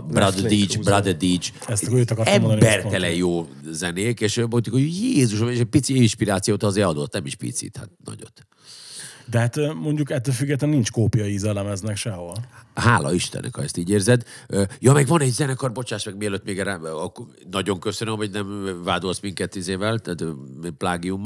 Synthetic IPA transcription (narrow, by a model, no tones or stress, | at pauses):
bɾad̪id͡ʒbrad̪ɛd̪id͡ʒɛst̪køːt̪ɒkɔɾrɛmond̪nibɛrt̪ɛlɛjjoːzɛneːkeːʃmot̪ukojeːzuʃeʃɛc̚pit̪siinʃpiɾaːt̪sijoːt̪ɒzeːɾɒd̪o̞t̪nɛmiʃpḭt̪sḭt̪ha̰t̪̚nɒ̰ɟo̞̰t̪ː | d̪ɛɦat̪ːmo̞ɲɟukɛt̪ːøːlfyɡːɛt̪lɛnint͡ʃkoːpijɒjizɛlɛmɛznɛkʃɛɦolɦaːlɒ̰iʃt̪ɛ̰nʔɛ̰khɒɛst̪iːɟeːrzɛd̪øjɒmɛɡʋɒnɛɟzɛnɛkɒrbo̞t͡ʃaːʃmɛɡ̚miɛløːt̪meːɡɛra | nɒɟo̞ŋkø̞sønømɦo̞ɟnɛmvaːd̪o̞lsmiŋkɛt̪ːizeːvɛlt̪at̪plaːɡijumː